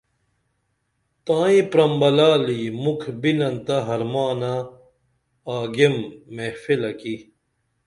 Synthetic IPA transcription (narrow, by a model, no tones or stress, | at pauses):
t̪ãːĩpɾɐmbɐlaːlimukʰbinɐnt̪ɐɦɐɾmaːna | aːɡemːefilɐki